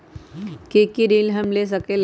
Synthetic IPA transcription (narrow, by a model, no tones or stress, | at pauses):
kekiɾilɦəmles̬əkel